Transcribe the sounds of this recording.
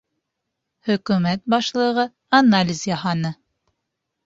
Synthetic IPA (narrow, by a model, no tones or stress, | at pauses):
hɵ̆kʉmæt̪̚bɑʃlˠɤ̆ʁɤ | analʲɪzjɑɦɑnɤ